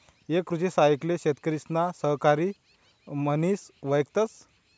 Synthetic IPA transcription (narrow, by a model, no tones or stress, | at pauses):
ekɾut͡ɕesaikleɕet̪kəɾisnasəɦkaɾiː | məniːsʋəjkt̪ət͡s